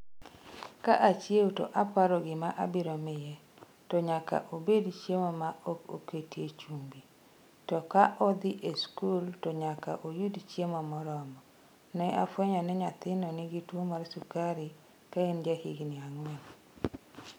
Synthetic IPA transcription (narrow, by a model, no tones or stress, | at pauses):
kaʔat͡ʃjewtɔ̰ʔapaɾɔɡɪmaʔa̰bɪɾɔmɪjɛ | tɔɲaka̰ʔobedt͡ʃjemɔmaoko̰ketjet͡ʃumbi | tɔkaʔɔd̪ɪʔeskultɔɲaka̰ʔojudt͡ʃjemɔmɔɾɔmɔ | nɛʔafweɲɔnɛɲat̪ɪnɔnɪɡitwomaɾsukaɾi | kaend͡ʒahiɡnɪaŋwɛl